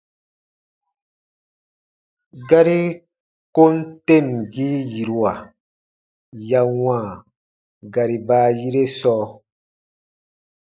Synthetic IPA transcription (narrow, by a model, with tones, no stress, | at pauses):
ɡa˦ɾi˦ | ko˦n˦te˦˨mɡi˦ji˨ɾu˨a˨ | ja˧wãː˦˨ | ɡa˨ɾi˨baː˦ji˦ɾe˦sɔː˦